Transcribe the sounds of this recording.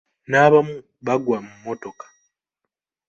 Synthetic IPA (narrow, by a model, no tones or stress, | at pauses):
naβamu | βaɡwamumːoto̞kḁ